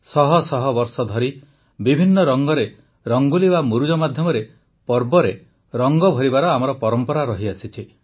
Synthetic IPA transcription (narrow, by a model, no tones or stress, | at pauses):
sɔɦɔsɔɦɔbɔɾsɔd̪ʱɔɾi | bibʱinːɔɾɔŋɡɔɾe | ɾɔŋɡulibamuɾud͡ʒɔmad̪ʱjɔmɔɾe | pɔɾbɔɾe | ɾɔŋɡɔbʱɔɾibaɾɔamɔɾɔpɔɾɔmpɔɾaɾɔɦiasit͡ʃʰi